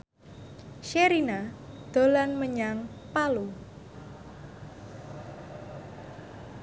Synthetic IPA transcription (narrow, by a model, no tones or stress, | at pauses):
ʃeɾinad̪̥o̤lanməɲaŋpalu